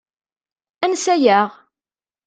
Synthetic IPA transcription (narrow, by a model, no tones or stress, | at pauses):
ænsæjæʁ